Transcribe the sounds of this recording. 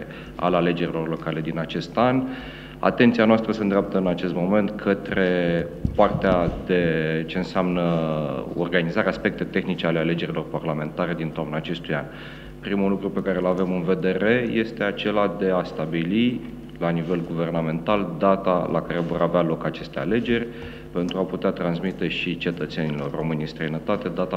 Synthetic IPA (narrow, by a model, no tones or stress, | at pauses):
a̰lale̞d͡ʒe̞ɾilo̞rlo̞kale̞d̪inat͡ʃe̞st̪an | a̰t̪ent̪sianoast̪ɾəsend̪ɾʲap̚t̪əɨnat͡ʃe̞st̪mo̞me̞nt̪kʰət̪ɾe̞part̪ead̪e̞t͡ʃe̞ɨnseamnə | o̞̰rɡanizaɾeaspe̞k̚t̪e̞t̪e̞xnit͡ʃealeale̞d͡ʒe̞ɾilo̞rparlame̞nt̪aɾe̞d̪int̪oomnat͡ʃe̞st̪uja̰n | pɾimulukɾupe̞kaɾe̞lave̞mɨnve̞d̪eɾe̞je̞st̪e̞at͡ʃe̞lad̪e̞ast̪abili | lanive̞lɡuve̞rname̞nt̪ald̪at̪alʔa̰kaɾe̞vo̞ɾavealo̞kat͡ʃe̞st̪e̞a̰le̞d͡ʒe̞rʲ | pe̞nt̪ɾuaput̪eat̪ɾansmit̪e̞ʃit͡ʃe̞t̪ət̪se̞nilo̞rro̞mɨnʲist̪ɾəjnət̪at̪e̞d̪at̪a